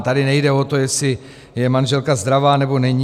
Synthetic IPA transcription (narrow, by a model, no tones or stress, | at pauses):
t̪adɪnɛjdɛo̞t̪o̞jɛsɪ | jɛmanʒɛlkazd̪ɾavaːnɛbo̞nɛɲi